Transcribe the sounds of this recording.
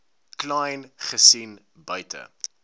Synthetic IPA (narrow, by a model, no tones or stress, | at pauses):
klɛjnχəsin | bœɥtə̰